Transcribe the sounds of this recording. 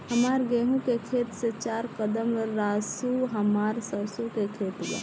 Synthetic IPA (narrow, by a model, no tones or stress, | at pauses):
ɦəmaːɾɡeːɦũkekʰeːt̪set͡ʃaːɾkəd̪əmɾəɾaːsuɦəmaːɾsəɾsokekʰeːt̪ɡa̰